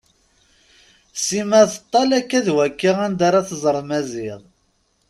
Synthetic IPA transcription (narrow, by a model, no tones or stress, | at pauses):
simæθə̥t̪ˤːɑlækːæðwækːiʁænd̪aɾˤɑθəzˤəɾˤmæziðˤ